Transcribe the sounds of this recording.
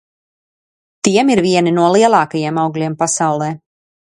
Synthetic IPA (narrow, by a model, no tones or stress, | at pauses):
t̪iɛmiɾviɛninuɔlˠiɛlˠɑːkajiɛmawɡlʲiɛmpasawlˠɛː